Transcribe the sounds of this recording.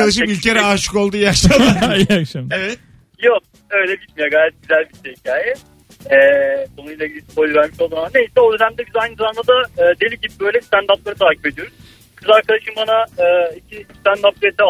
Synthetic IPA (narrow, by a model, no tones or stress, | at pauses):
ad̪aʃ̬ɯmilʲcʰeɾɛaʃɯ̥ko̞lˠd̪uːjakʃlˠad̪aakʃamevɛt̪ | jok̚ | ø̞jlʲɛbit̪mijaɡaːjɛt̪̚ɟyzælʲbiʃeicʰaːjɛ | ɛːsonuilʲeɟilʲispojlʲvæɾmiʃo̞lˠd̪uɾamane̞jisɛo̞d̪ø̞næmd̪ɛɟyzɛajnɯzaand̪ad̪aːd̪e̞lʲiɟibibø̞jlʲɛst̪ænd̪aplˠaɾɯt̪ʰaːcʰipe̞d̪ijo̞ɾuz̥ | kʰɯyzaɾkʰad̪aʃɯmbanaɯːicʰist̪ænd̪ap̚leɾd̪ɛ